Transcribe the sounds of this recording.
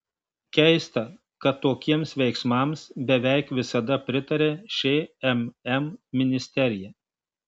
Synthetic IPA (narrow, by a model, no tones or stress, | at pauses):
kʲɛɪst̪ɐ | kɐt̪ːoːkʲiɛmsʋʲɛɪksmɐˑmsbʲɛʋʲɛɪkʋʲɪsɐd̪ɐpʲɾʲɪt̪ɐɾʲeːʃʲeːɛmɛmːʲɪnʲɪsʲt̪ʲɛɾʲɪjɛ